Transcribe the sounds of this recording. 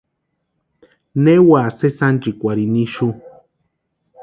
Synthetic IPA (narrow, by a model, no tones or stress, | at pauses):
newasesand͡ʒikʷaɾiniʃu